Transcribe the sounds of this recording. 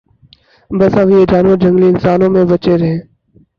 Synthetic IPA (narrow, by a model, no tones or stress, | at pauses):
bəsãːʋieːd͡ʒaːnõːd͡ʒəŋɡliːɪnsaːnõːmẽːbət͡ʃeːɾɦẽː